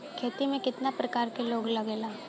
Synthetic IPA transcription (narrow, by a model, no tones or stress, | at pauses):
kʰeːt̪imẽkɪt̪napɾɐkaːɾkeloːɡlɐɡeːlaː